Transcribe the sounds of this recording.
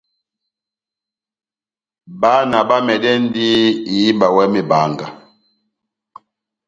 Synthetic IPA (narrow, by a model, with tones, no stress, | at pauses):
ba˦na˨ba˦mɛ˨dɛ˦n˦di˦i˨ji˦ba˨wɛ˦mi˨ba˨ŋɡa˨